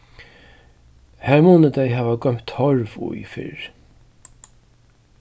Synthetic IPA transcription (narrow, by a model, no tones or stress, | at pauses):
hæɹmuːnəd̪æjɦaːvaɡœm̥t̪hɔɹvʊ̰jfɪ̰ɹ